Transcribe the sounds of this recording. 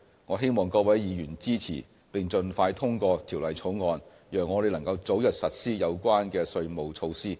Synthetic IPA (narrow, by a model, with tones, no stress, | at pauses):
ŋɔː˨˧ɦe˥jmɔː˨ŋkɔː˧wɐ˨˥jjiː˨˧jyː˨˩nt͡siː˥t͡sʰḭː˨˩ | pɪ˨ŋt͡sɵ˧nfaː˧jt̪ʰʊ˥ŋkɔː˧t̪ʰiː˨˩wlɐ˨˩jt͡sʰo˨˥wŋɔː˨˧n | jœː˨˩ŋːɔː˨˧ɾe˨˧jlɐ˨˩ŋkɐ˧wt͡so˨˥wjɐ˨t̚sɐ˨t̚siː˥jɐ˨˧wkʷaː˥nkɛː˧sɵ˧ɥmo˨wt͡ʃʰo˧wsiː˥